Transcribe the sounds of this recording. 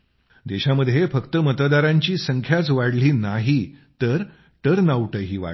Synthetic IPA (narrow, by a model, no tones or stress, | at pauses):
d̪eɕaməd̪ʱjefəkt̪əmət̪d̪aɾãɲt͡ɕiːsəŋkʰjat͡sʋaɽliːnaɦit̪əɾ | ʈəɾnawʈəɦiːʋa̰